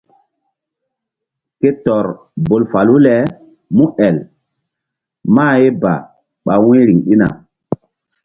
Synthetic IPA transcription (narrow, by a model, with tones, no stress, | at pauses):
ke˦tɔ˨ɾ | bo˨lfa˨lu˦lɛ˨˦ | mũ˦ɛ˨l | ma˦˨je˦ba̰˨ | ɓa˨wẽ˦ɾi˨ŋɗi˦na̰˨